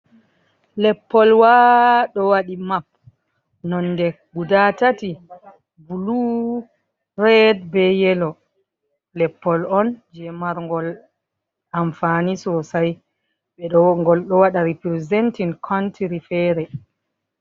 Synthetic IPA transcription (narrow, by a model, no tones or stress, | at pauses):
lɛpːɔlwaɗɔwaɗimap̚ | nɔnːdɛ | ɡudatati | bulu | ɾɛdbɛjɛlɔ | lɛpːɔlɔnd͡ʒɛmaɾŋɡɔl | amfanisɔsaj | ɓɛɗɔŋɡɔlɗɔwaɗaɾipɾizɛntinkʰɔntiɾifɛɾɛ